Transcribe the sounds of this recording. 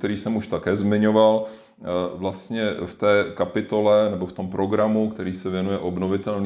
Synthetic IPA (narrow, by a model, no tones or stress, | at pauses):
t̪ɛɾiːsɛmuʃt̪akɛːzmɪɲo̞val | vlast̪ɲɛft̪ɛːkapɪt̪o̞lɛnɛboft̪o̞mpɾo̞ɡɾamukt̪ɛɾiːsɛvjɛnujɛʔo̞bno̞vɪt̪ɛln